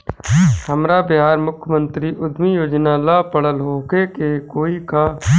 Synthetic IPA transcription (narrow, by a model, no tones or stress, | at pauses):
həmɾabɪɦaːɾmʊkʰjəmə̃nt̪ɾiʔʊd̪mijoːd͡ʒnalapəɽəlɦoːkekekoːika